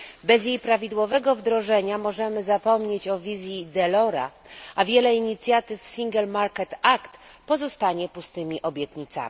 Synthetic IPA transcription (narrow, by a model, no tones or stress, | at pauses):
bɛzjejpɾavʲid̪wɔvɛɡɔvd̪ɾɔʐɛɲamɔʐɛmɘzapɔmɲet͡ɕɔvʲizʲjid̪ɛlɔɾa̰ʔavʲjɛlɛiɲit̪sʲjat̪ɘfːsʲiŋɡɛlmaɾkɛt̪akt̪pɔzɔst̪aɲɛpust̪ɘmʲiʔɔbʲjɛt̪ɲit̪sa̰mʲi